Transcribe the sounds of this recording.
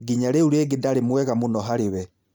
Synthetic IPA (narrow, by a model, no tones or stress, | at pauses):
ɡiɲaɾeuɾeɡedaɾemwɛɣamonɔɦaɾeβɛ